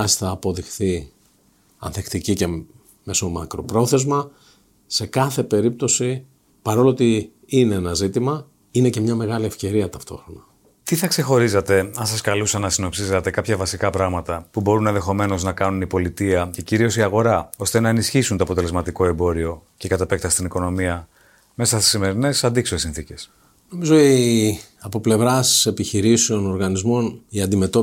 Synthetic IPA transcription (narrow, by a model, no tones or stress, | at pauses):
ɐsθɐːpo̞ðixθi | ɐ̰nθe̞kt̪icice̞ | me̞so̞mɐ̰kɾo̞pɾo̞θe̞zmɐ | se̞kɐθe̞pe̞ɾip̚t̪o̞si | pɐɾo̞loot̪i | ine̞enɐzit̪imɐ | ine̞ce̞mɲɐme̞ɣɐlie̞fce̞ɾiɐt̪ɐft̪o̞̰xɾo̞nɐ | t̪iθɐkse̞xo̞ɾizɐt̪e̞ɐnsɐskɐlusɐnɐsino̞psisɐt̪e̞kɐpçɐvɐsikɐpɾɐɣmɐt̪ɐpubo̞ɾunẽnðe̞xo̞me̞no̞znɐkɐnunipo̞lit̪iɐce̞ciɾio̞siɐɣo̞ɾɐo̞st̪e̞nɐenisçisunt̪oɐpot̪̬ele̞zmɐt̪iko̞e̞mbo̞ɾio̞ce̞kɐt̪ɐpek̚t̪ɐst̪iniko̞no̞miɐ | me̞sɐst̪i̥sime̞ɾine̞sɐnd̪iksoesinθice̞s | no̞mizoi | ɐpo̞ple̞vɾɐse̞piçiɾiseo̞no̞ɾɣɐnizmo̞niɐnd̪ime̞t̪o